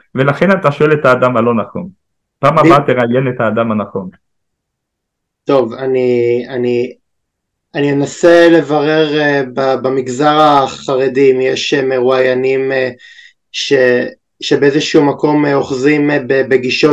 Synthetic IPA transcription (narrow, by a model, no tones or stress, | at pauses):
velaχenat̪aʃo̞elet̪aːd̪amalo̞naχo̞̰n | paːmabat̪ːeʁajenet̪aːd̪amanaχo̞n | t̪o̞vaniani | anienasele̞vaʁe̞ʁebabamiɡzaʁaχaʁe̞dimjeʃeme̞ʁuajanime | ʃe | ʃe̞beezeʃumako̞meo̞χzimbebeɡiʃo